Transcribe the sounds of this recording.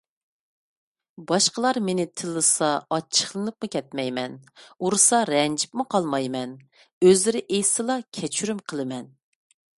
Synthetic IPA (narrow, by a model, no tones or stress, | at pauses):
bɑʃqəlˠɑɾmenɪt̪ʰɪlːɨsɑɑt͡ʃʰːə̥χlˠɨnɨp̚mɨkʲʰɛt̪mɛjmɛnuɾɨsɑɾɛnd͡ʒipmɨqʰɑlˠmɑjmɛn | øzlɪɾɪʔejsɨlˠɑkʲʰɛt͡ʃʰyɾymqʰəlˠɨmɛn